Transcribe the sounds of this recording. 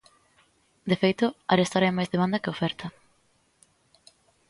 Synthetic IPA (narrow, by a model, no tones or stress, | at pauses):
d̪efejt̪ʊa̰ɾest̪aɾajmajzðemãnd̪ɐkeofɛɾt̪ʰɐ